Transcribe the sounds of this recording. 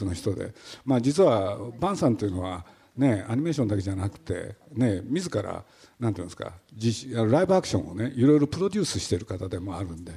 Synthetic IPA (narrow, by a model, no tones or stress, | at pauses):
sonoçi̥t̪o̞d̪e̞̰maːd͡ʑit͡sɨβabãɰ̃sãnt̪o̞iɯ̟no̞βa | ne̞aɲ̟ime̞ːɕond̪ake̞d͡ʑanakɯ̟̥t̪e̞̰ne̞mʲizɨkaɾa̰ | nãnt̪oiːnːsɨ̥ka̰d͡ʑiɕanoɾaibɯ̟akɯ̟̥ɕõ̞one̞ʔiɾo̞jiɾo̞pɯ̟ɾo̞d̪ʲɨːsɨɕi̥t̪e̞ɾɯ̟kat̪ad̪e̞mo̞aɾɯ̟̃nd̪e̞